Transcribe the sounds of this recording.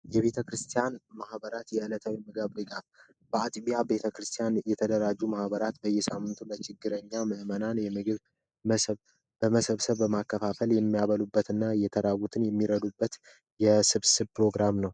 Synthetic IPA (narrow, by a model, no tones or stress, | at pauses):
jɛβe̞t̪ʰəkɾɨst̪ʰijanmahbəɾat̪jɛʔɨlət̪ʰawimɨɡaβdɨɡaf | bəat̪ʼβijabe̞t̪ʰəkɾɨst̪ʰijanjɛt̪ʰəd̪əɾad͡ʒːumahbəɾat̪bəjːɛsamːɨnt̪ʰunːət͡ʃʰɪɡːɨɾəɲːamɨhmənanjɛmɨɡɨβ | məsəβ | bəməsəβsəβːəmakːəfafəljɛmːijaβəlubːət̪ɨnːajɛt̪ʰəɾawut̪ʰɨnjɛmːiɾəd̪ubːət̪ | jɛsɨβsɨβpɾo̞ɡɾamnəw